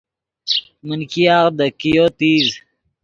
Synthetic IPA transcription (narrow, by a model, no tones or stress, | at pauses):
mənkiaːɣd̪əkijoːt̪iːz